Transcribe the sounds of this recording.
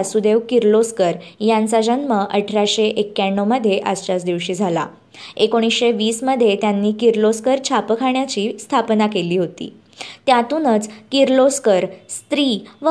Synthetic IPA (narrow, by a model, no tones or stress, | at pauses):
sud̪eʋkiɾloskəɾjant͡sad͡ʑənməʔəʈʰɾaɕeʔekːjaɳːoməd̪ʱːjeʔəst͡ɕasd̪iʋɕiːd͡zʱala | ekoɽ̃isɕeʋiːsməd̪ʱːjet̪janːiːkiɾloskəɾt͡ɕʰapəkʰaɳjat͡ɕiːst̪ʰapnakeliːɦot̪ḭː | t̪jat̪unət͡skiɾloskəɾst̪ɾiːʋ